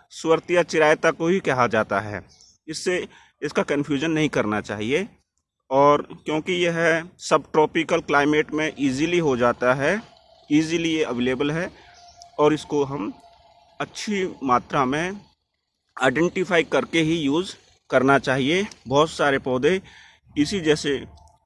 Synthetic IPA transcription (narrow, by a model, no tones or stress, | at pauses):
sʊʋəɾt̪ijat͡ʃɪɾaːjt̪akobʱikɛɦad͡ʒaːt̪aɦɛ̰ː | ɪsːe | ɪskakə̃nfʰjuːd͡ʒənːɐɦĩkɐɾnat͡ʃa̰ːɦie | ɔːɾkjõːkijeɦɛsɐbʈɾɔːpɪkəlklaːɪmeːʈmẽʔiːziliɦod͡ʒaːt̪aɦɛ | iːzilieəʋeːleːbəlɦɛ | ɔːɾɪskoɦɐm | ɐtːʃʰimaːt̪ɾamẽ | aːɪɖɛ̃ːɳʈɪfaːikɐɾkeɦijuːz | kɐɾnat͡ʃaːɦiebɔɦt̪saːɾepɔːd̪ẽ | ɪsid͡ʒɛːse